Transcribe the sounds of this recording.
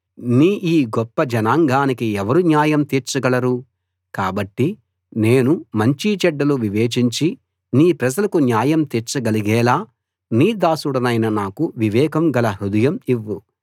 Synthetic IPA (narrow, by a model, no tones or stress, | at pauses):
niːʔiːɡɔpːɐd͡ʒɐnaːŋɡaːnikiɛʋɐɾunjaːjɐmt̪iɾt͡ʃɐɡɐlɐɾu | kaːbɐʈːi | ne̞ːnumɐɲt͡ʃit͡ʃɛɖːɐluʋiʋeːt͡ʃiɲt͡ʃi | niːpɾɐd͡ʒɐlɐkunjaːjɐmt̪iɾt͡ʃɐɡɐliɡɛːlaː | niːd̪aːsuɽɐnɐjnɐnaːkuʋiʋɛːkɐmɡɐlɐɦud̪ɐjɐmiʋːu